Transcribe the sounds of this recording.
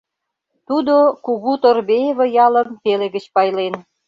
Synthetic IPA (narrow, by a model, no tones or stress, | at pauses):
t̪ud̪okuɣut̪orbejeβə̆jɑlə̆mt̪eleɣə̆t͡ɕpɑjlen